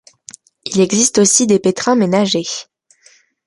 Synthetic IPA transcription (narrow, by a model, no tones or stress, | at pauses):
ilɛɡzist̪osid̪epet̪χɛ̃menaʒe